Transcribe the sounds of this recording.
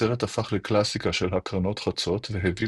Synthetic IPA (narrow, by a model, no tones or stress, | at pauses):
eʁetafaχleklasikaʃe̞lhakʁano̞tχat͡so̞tveɦevi